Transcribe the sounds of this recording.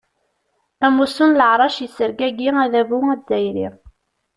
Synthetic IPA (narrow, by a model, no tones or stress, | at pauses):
æmusunləʕɾˤɑʃjisəɾɡæɡiæðævuæzæjɾḭ